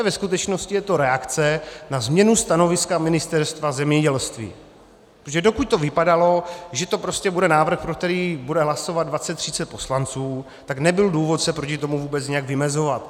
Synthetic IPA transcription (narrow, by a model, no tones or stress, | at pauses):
vɛskut̪ɛt͡ʃno̞scɪjɛt̪o̞ɾɛakt͡sɛnazmɲɛnust̪ano̞vɪskamɪnɪst̪ɛɾst̪vazɛmɲɛɟɛlst̪vḭː | ʒɛdo̞kuc̚t̪o̞vɪpadalo̞ʒɛt̪o̞pɾo̞scɛbudɛnaːvr̩xpɾok̚t̪ɛɾiːbudɛɦlaso̞vad̪dvat͡sɛt̪ːr̝ɪt͡sɛt̪̚po̞slant͡suː | t̪aknɛbɪlduːvo̞t̪sɛpɾocɪt̪o̞muvuːbɛt͡sɲɛjaɡvɪmɛzo̞vat̪